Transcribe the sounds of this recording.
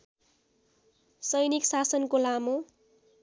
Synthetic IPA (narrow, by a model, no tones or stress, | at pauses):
sʌjniksasʌnkolamo